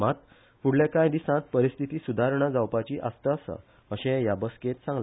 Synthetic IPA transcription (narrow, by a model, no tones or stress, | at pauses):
mat̪̚ | fuɽlekãjd̪isãt̪̚pəɾist̪ʰit̪iːsud̪ʱaɾɳad͡zawpat͡ɕiːʔast̪əːsə̰ | əɕẽjabəskẽt̪sãŋɡla